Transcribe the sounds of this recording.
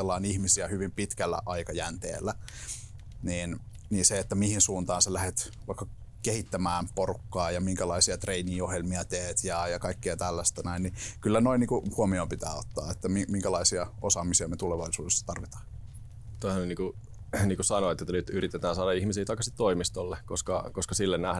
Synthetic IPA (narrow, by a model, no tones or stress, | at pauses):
elːɑinihmisiæhyʋimpit̪kælːæ̰ʔɑikɑjænt̪ḛːlːæ | niːn | niːnseet̪ːæmihinsuːnt̪ɑːnselæhet̪ | ʋɑikːɑkehit̪ːæmæːmporukːɑːjɑmiŋkælɑisiɑt̪reiniːohjelmiɑt̪eːt̪jɑjɑkɑikːeɑt̪ælːæst̪ænæinnikylːænoiniːkuhuomioːmpit̪æ̰ːot̪ːɑ̰ːet̪ːæmimiŋkælɑisiɑosɑːmisiɑmet̪uleʋɑisuːdesːɑ̥t̪ɑrʋit̪ɑ̥ːn | t̪oihæneniːŋku | niːŋkusɑnoet̪jot̪ːænyt̪yrit̪et̪æːnsɑːɾɑihmisiːt̪ɑikːɑsit̪t̪oimist̪olːekoskɑkoskɑsilːennæh